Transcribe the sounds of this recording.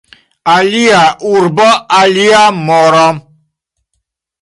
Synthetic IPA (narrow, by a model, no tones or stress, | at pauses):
aliaʔuɾbɔaliamɔɾɔm